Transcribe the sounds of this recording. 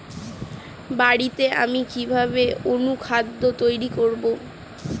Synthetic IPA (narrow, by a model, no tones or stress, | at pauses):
baɽit̪ea̰mikibʱabeonukʰad̪ːot̪ojɾikoɾbo